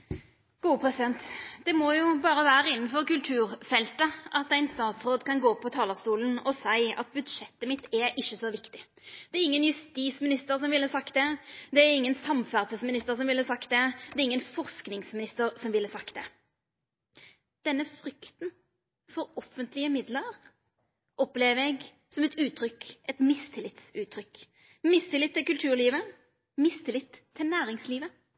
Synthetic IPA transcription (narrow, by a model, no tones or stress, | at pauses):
ɡ̥uːəpʰʁɛsɪd̪ɛnt̪d̪̥ɛmɔjʊbɑːɾəʋæːɾəɪnːn̩fɔʁkʉlt̪ʰʉːʁfɛlt̪əʔɑt̪æɪnst̪ɑːt̪sʁoːd̪kʰɑnɡoːpʰɔt̪ʰɑːləʁst̪uːlənɔsæɪɑ̰t̪̚bʉd̪ʂɛt̪ːəmɪt̪ːɛʔɪçːəsɔʋɪkt̪ɪ | d̪̥ɛɛɾɪŋːənjʉst̪iːsmɪnɪst̪əʁsɔmʋɪlːəsɑkt̪̚d̪ɛd̪ɛæɾɪŋːənsɑmfæʁsəsmɪnɪst̪əʁsɔmʋɪlːəsɑkt̪̚d̪ɛd̪ɛʁɪŋːənfɔʁsknɪŋsmɪnɪst̪əɾsɔmʋɪlːəsɑkt̪̚d̪ɛ | d̪̥ɛnːəfʁʏkt̪n | fɔɾɔfənt̪lɪəmɪd̪ləʁ | ʔɔpleːʋəɛɡ | sɔmɛt̪ʉːt̪ʰɾʏkʔɛt̪mɪst̪ʰɪlɪt̪sʉːt̪ʰɾʏk | mɪst̪ʰɪlɪt̪ʰːɪlkʉlt̪ʰʉːʁɭiːʋə | mɪst̪ʰɪlɪt̪ʰːɪlnæːʁɪŋsliːʋə